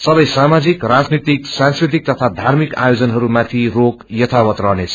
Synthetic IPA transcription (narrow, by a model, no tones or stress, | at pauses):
sʌbʌjsamad͡zikrad͡znit̪iksãnskɾrit̪̬ik̚t̪ʌt̪ʰad̪ʱarmika̰jod͡zʌnɦʌɾumat̪ʰirokjʌt̪ʰawʌt̪rʌɦnet͡sʰʌ